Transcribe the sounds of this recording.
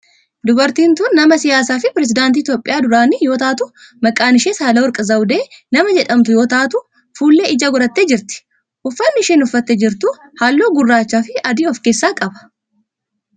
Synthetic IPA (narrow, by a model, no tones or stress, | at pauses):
d̪ʊbɐɾt̪iːnt̪uːnːɐmɐsɪjaːsaːfɪpɪɾɛs̬ɪd̪aːnt̪̬iːt̪joːpʼɪjaːd̪ʊɾaːnɪjo̞ːt̪aːt̪ʊ | mɐkʼːaːnɪʃeːsaːlɐwɔɾkʼɐzɐwʊd̪eːnɐmɐd͡ʒɛᶑɐmt̪ʊjo̞ːt̪aːt̪ʊ | fuːlːeːɪd͡ʒɐɡʊɾɐt̪ːed͡ʒɪɾt̪ɪ̥ | ʔʊfːɐnːɪɪʃeːnʊfːɐt̪ːɛd͡ʒɪɾt̪ʊhaːlːoːɡʊrːaːt͡ʃːaːfɪɐd̪iɔfke̞ːsːaːkʼɐbɐ̥